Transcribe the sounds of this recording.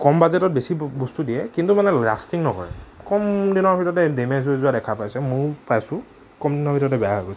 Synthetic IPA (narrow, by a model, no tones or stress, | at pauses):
kɔmbazɛtɔt̚besibustudiɛkintumanɛla̰stiŋnɔkɔ̰ɹɛ̰kɔmdinɔɹbʱitɔtɛdemɛzuzuadɛkʰapajsɛmʊ̃pajsʊ̃ | kɔmdinɔɹbʱitɔɔtɛbɛjaɦojɡos